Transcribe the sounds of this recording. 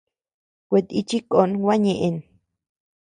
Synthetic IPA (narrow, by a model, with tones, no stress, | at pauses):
kʷe˧t̪i˧t͡ʃi˦ko˨nwʷa˦ɲẽ˧˨ʔe˧n